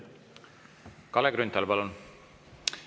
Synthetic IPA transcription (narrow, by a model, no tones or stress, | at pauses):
kɑleɡɾynt̪ːɑlpɑlun